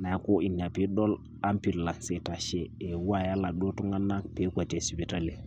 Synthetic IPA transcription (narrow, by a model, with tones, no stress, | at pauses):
na˨˦ko˦i˨na˨pi˦ɗɔ˦l | a˦mpi˨lla˨nse˨ta˨ʃɛ˨e˨wu˦a˦˨ja˦la˨ɗo˦tu˦ŋɡa˦nːa˦pe˦kʷa˨t͡ʃɛ˨si˨bi˨ta˦li˨